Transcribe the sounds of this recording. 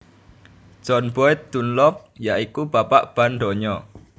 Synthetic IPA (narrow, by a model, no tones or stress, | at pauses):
ʒ̥ɔ̤nb̥ɔɪt̪̚d̪̥unlɔp̚jaʔikub̥apaʔb̥anɖɔɲɔ